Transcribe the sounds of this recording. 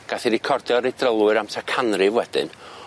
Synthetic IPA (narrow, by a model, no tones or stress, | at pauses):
ɡ̥aθiɾɪkʰɔrdjɔɾedrəlˠwɨɾamtʰakʰanrɨvwɛdɨ̰n